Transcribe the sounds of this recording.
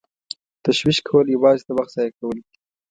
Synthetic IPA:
t̪aʃwiʃkʰawəljawɑzet̪awaxt̪z̥ɑjakawəld̪i̥

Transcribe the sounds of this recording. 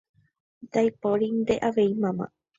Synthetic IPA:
d̪ajpoɾind̪eʔaʋejmãmã̰

